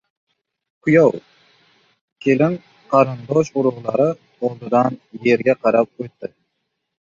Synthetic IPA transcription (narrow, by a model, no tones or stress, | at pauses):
qʰʊjɒw | kʲʰe̞lɪn | qʰɑɾɪnd̪ɒʃʊɾʊʁlˠaɾɪ | ɒlˠd̪ɪd̪anje̞ɾɡʲaqʰɑɾap̚ot̪ːɪ